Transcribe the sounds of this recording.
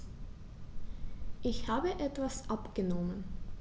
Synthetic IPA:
ʔɪçhaːbəʔɛtv̥asʔapɡ̥ənɔmən

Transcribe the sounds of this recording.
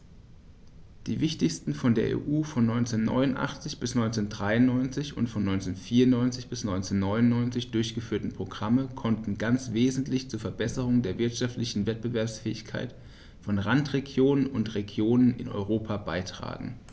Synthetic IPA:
d̥iːvɪçtɪçstn̩fɔndeːɐʔḛːʔuːfɔnːɔʏnt͡seːnːɔ̰ʏnʊnʔa̰χt͡sɪçb̥ɪsnɔʏnt͡seːndʁaɪʊnːɔʏnt͡sɪçʊ̰ntfɔnːɔʏnt͡seːnfiːɐʊnnɔʏnt͡sɪçb̥ɪsnɔʏnt͡seːnːɔʏnʊnnɔʏnt͡sɪçd̥ʊɐçɡ̥əfyːɐtn̩pʁ̥oɡʁaməkʰɔntn̩ɡant͡sv̥eːzn̩tʰlɪçt͡suːɐfɛɐbɛsəʁ̞ʊŋdeːɐvɪɐtʃaftlɪçn̩vɛt̚b̥əvɛɐpsfɛːɪçkʰa̰ɪt | fɔnʁantʁ̥eɡjoːnənʊntʁeɡjoːnənɪ̰nʔɔ̰ʏʁoːpʰabaɪtʁ̥a̰ːɡŋ̩

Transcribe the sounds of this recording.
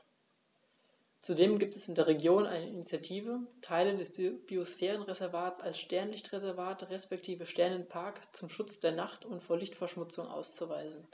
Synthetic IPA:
t͡sudeːmɡiːp̚tɛsɪndeːɐʁ̞eɡjoːnʔa̰ɪnəinit͡sjatʰiːvətʰaɪlədɛsb̥iosfɛːʁ̞ənʁezɛɐvaːtt͡salsʃtɛɐnlɪçtʁezɛɐvaːtəʁɛspɛk̚tʰiːvəʃtɛɐnənpʰaɐkt͡sʊmʃʊt͡sd̥eːɐnaχtʰʊntfoːɐlɪçtfɛɐʃmʊt͡sʊŋʔa̰ʊst͡suvaɪzn̩

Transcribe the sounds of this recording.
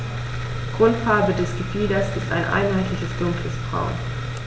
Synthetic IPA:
ɡ̥ʁʊltfaɐbədɛsɡ̥əfiːdɐsɪsta̰ɪnʔa̰ɪnɦaɪtlɪçəsd̥ʊŋkləsb̥ʁa̰ʊn

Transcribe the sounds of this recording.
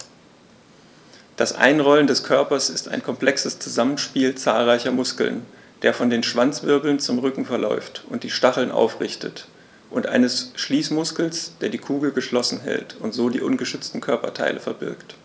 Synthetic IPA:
d̥asʔa̰ɪnʁɔləndɛskʰœɐpɐsɪsta̰ɪnkʰɔmpl̥ɛksəst͡suzamən̩ʃpiːlt͡sa̰ːlʁaɪçɐmʊskl̩̰n | d̥eːɐfɔndeːnʃv̥ant͡sv̥ɪɐbl̩nt͡sʊmʁʏkŋ̩fɛɐlɔ̰ʏftʊntd̥iːʃtaχl̩nʔa̰ʊfʁɪçtət | ʔʊntʔa̰ɪnəsʃliːsmʊskl̩sd̥eːɐdiːkʰuːɡl̩ɡəʃlɔsn̩ɦɛ̰ltʊntz̥oːdiːʔʊnɡəʃʏt͡stn̩kʰœɐpɐtʰa̰ɪlʔəfɛɐbɪɐkt

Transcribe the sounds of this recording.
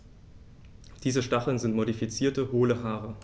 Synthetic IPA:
d̥iːzəʃtaχl̩nzɪntmoɾifit͡siːɐtəɦoːləɦaːʁ̞ə

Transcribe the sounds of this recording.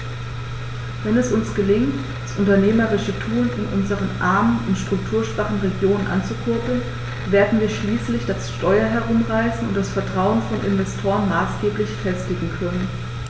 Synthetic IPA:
vɛnɛsʊnsɡ̥əlɪŋt | d̥asʔʊntɐneːməʁɪʃətʰuːlɪnʔʊnzəʁənʔaɐmənʊntʃtʁ̥ʊk̚tʰuːɐʃv̥aχn̩ʁeɡjoːnənʔa̰nt͡sukʰʏɐpl̩n | veːɐdn̩viːɐʃliːslɪçd̥asʃtɔʏɐɦɛɐʁ̞ʊmʁaɪsn̩ʊntd̥asfɛɐtʁ̥aʊənfɔnʔɪ̰nvɛstʰoːʁənmaːsɡ̥eːplɪçfɛstɪɡŋ̩kʰœnən

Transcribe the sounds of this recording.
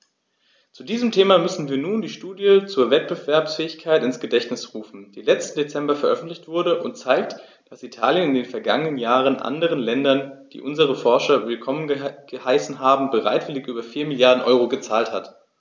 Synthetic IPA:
t͡sudiːzəmtʰeːmamʏsn̩viːɐnuːndiːʃtuːdjət͡suːɐvɛt̚b̥əvɛɐpsfɛːɪçkʰaɪtɪnsɡ̥ədɛçtnɪsʁuːfn̩d̥iːlɛt͡stn̩det͡sɛmbɐfɛɐʔœfn̩tlɪçtv̥ʊɐɾəʔʊntt͡saɪkt | d̥asitʰaːljənɪndeːnfɛɐɡaŋənənjaːʁənʔa̰ndəʁ̞ənlɛndɐnd̥ḭːʔʊnzəʁ̞əfɔɐʃɐvɪlkʰɔmənəɡ̥əhaɪsn̩ɦaːbm̩bəʁa̰ɪtv̥ɪlɪçʔyːbɐfiːɐmɪljaɐdn̩ʔɔʏʁoɡət͡saːlthat

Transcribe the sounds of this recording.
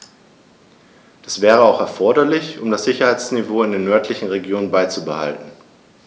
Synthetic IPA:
d̥asv̥ɛːʁ̞əaʊxɛɐfɔɐɾɐlɪçʊmdasz̥ɪçɐhaɪt͡snivoːɪndeːnːœɐtʰlɪçn̩ʁeɡjoːnənbaɪt͡subəha̰ltn̩

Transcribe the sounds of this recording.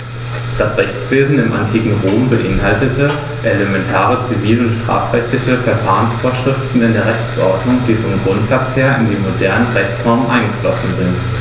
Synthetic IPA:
d̥asʁɛçt͡sv̥eːzn̩ɪmʔantʰiːkŋ̩ʁoːmbəʔɪnɦaltətʰə | ʔeləmɛntʰaːʁət͡siviːləʊntʃtʁ̥a̰ːfʁ̥ɛçtlɪçəfɛɐfaːʁənsfoːɐʃʁ̥ɪftn̩ɪndeːɐʁɛçt͡sʔɔ̰ɐdnʊŋd̥iːfɔmɡʁʊntz̥at͡sheːɐɪndiːmodɛɐnəʁɛçt͡sʁ̥aʊmənʔaɪnɡəflɔsn̩zɪnt

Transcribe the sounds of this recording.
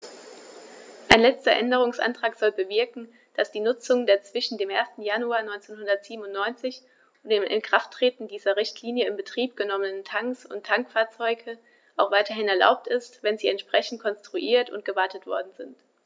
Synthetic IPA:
ʔaɪnlɛt͡stɐʔɛndəʁ̞ʊŋsʔa̰ntʁ̥aːkz̥ɔlbəvɪɐkŋ̩ | d̥asd̥iːnʊt͡sʊŋndeːɐt͡sv̥ɪʃn̩deːmʔeːɐstn̩januaːɐnɔʏnt͡senhʊndɐtz̥iːbm̩ʊntnɔʏnt͡sɪç | ʊndeːmʔɪ̰nkʁ̥aftʁ̥eːtn̩diːzɐʁɪçtʰliːnjəɪmbətʁ̥iːp̚ɡ̥ənɔmənətʰaŋksʊ̰ntʰːaŋkfaːɐt͡sɔʏɡə | ʔaʊxv̥aɪtɐɦɪnɛɐla̰ʊp̚tɪstvɛnziːɛntʃpʁ̥ɛçn̩t̚kʰɔnstʁ̥uʔiːɐtʊ̰nt̚ɡ̥əvaɐtətv̥ɔɐdn̩zɪnt

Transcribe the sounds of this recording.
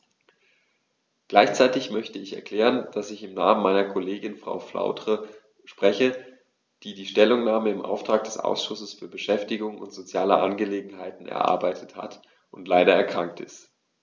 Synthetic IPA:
ɡ̥laɪçt͡saɪtɪçmœçtəɪçɛɐkl̥ɛːʁənd̥asɪçɪmnaːmənmaɪnɐkʰoleːɡɪnfʁ̥a̰ʊflʔa̰ʊdʁ̥ə | ʃpʁ̥ɛçə | d̥iːdiːʃtɛlʊŋnaːməɪmʔa̰ʊftʁ̥aːk̚d̥ɛsʔa̰ʊsʃʊsəsfyːɐbəʃɛftɪɡʊŋʊ̰ntz̥ot͡sjaːləʔanɡəleːɡŋ̩ɦaɪtn̩ɛ̰ɐʔa̰ɐbaɪtʰətha̰t | ʊntlaɪɾɐɛɐkʁ̥aŋk̚tɪ̰st

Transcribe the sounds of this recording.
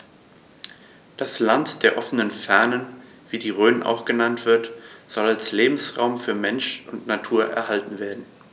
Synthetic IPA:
d̥aslantd̥eːɐʔɔfənənfɛɐnən | viːdiːʁøːnənʔa̰ʊxɡ̥ənantv̥ɪɐtz̥ɔlalsleːbm̩sʁa̰ʊmfyːɐmɛnʃʊntnatʰuːɐʔɛ̰ɐhaltn̩veːɐdn̩

